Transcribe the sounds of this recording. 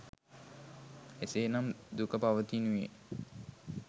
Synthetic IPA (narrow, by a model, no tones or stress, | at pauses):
eseːnamd̪ukəpaʋət̪inujḛ